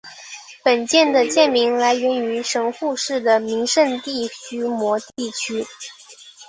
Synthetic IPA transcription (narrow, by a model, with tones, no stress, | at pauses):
pə˨˩nt͡ɕjɛ˥˩nd̪ə˩t͡ɕjɛ˥˩nmi˧˥ŋla˧˥ɪɥɛ˧˥ny˧˥ʂɤ˧˥ŋxu˥˧ʂɻ̩˥˩d̪ə˩mi˧˥ŋʂə˥˧nt̪i˥˩t͡ɕy˥mwɔ˧˥t̪i˥˩t͡ɕʰy˥